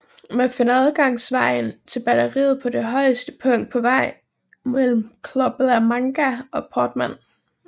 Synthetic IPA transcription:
mæfe̝nəæð̞ˠɡ̥ɑ̈ŋ̰sʋɑ̈ɪ̰nt͡sʰe̝lb̥ædɐʁḭːð̩ˠpʰɒ̽d̥e̝ɦɒ̽ɪəsd̥ə̥pʰɔ̽ŋ̰d̥̚pʰɒ̽ʋɑ̈ɪ̰ | mel̰m̩kʰlɔb̥ð̩ˠæmɑ̈ŋɡ̥æʔɒ̽pʰɒːd̥mæn̰

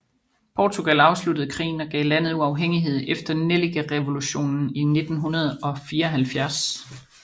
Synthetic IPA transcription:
pʰɒːt͡sʰuɡ̥ælɑ̈ʊslud̥əð̞̩ˠkʰʁḭːn̩ɒ̽ɡ̥ɛ̰ːlæn̰ð̞̩ˠuɑ̈ʊɦeŋ̰iɦe̝ð̞̰ˠefd̥ɐneliɡ̥æʁɛʋo̝luɕo̝̰ːnn̩ine̝d̥n̩ɦunɐð̞ˠɒ̽fiːɐɒɦælfjæɐs

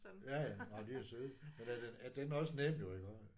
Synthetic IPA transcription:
jæjænɑd̥iæɐsøðˠmenæɐd̥enæd̥enɒ̽sənem̰̥jo̝e̝ɡ̥ɒs

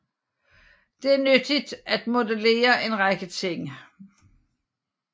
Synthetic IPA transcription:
d̥e̝æɐnød̥id̥æd̥mo̝dəle̝̰ːɐʔe̝nʁɑɡ̥ət͡sʰe̝ŋ̰

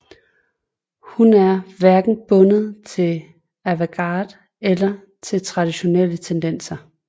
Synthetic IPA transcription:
hunæɐʋæɐɡ̥n̩b̥ɔ̽nð̩ˠt͡sʰe̝l | æʋoɡ̥ɑ̰̈ːd̥ | elɐ | t͡sʰe̝lt͡sʰʁɑ̈d̥iɕo̝nel̰ət͡sʰend̥en̰sɐ

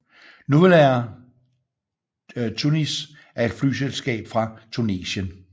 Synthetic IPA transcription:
nuðlæɐ | t͡sʰunis | æɐe̝d̥fly̰ːselsɡ̥ɛ̰ːb̥fʁɑ̈t͡sʰunḛːɕən

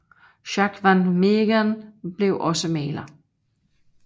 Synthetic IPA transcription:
ɕɑɡ̥ʋænmeɡ̥ænb̥le̝ʊʔɒ̽səmɛːlɐ

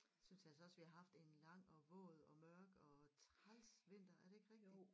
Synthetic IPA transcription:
synsjæælsɒ̽ɒ̽sʋihɑ̈ɦɑ̈fd̥e̝nlɑ̈ŋ̰ɒ̽ʋɔ̰̽ːð̩ˠɒ̽mɶɐɡ̥ɒ̽t͡sʰʁalsʋe̝n̰d̥ɐæɐɾ̥e̝e̝ɡ̥ʁɛɡ̥i̥

